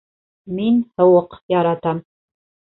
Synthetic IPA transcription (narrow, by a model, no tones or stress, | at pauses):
minhə̆wɤqjɑɾɑt̪ʰam